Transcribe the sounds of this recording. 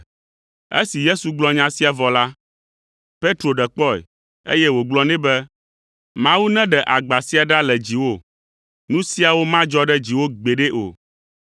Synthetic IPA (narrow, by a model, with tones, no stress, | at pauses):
ḛ˦si˨je˦su˨ɡ͡blɔ˦ɲã˦si˦a˨vɔ˨la˦ | pe˦t̪ɾo˨ɖɛ˨k͡pɔ˦˨ɛ̰˨ | ḛ˦jɛ˦wo˨ɡ͡blɔ˦nɛ̃˦bɛ˦ | mã˦wu˦nɛ̃˦ɖɛ˨ʔa˨ɡ͡ba˨si˦a˨ɖa˦lɛ˨d͡ʑi˨wo˦˨ | nũ˦si˦a˨wo˦mã˦d͡ʒɔ˦ɖɛ˦d͡ʑi˨wo˦ɡ͡be˨ɖe˦ʔo̰˨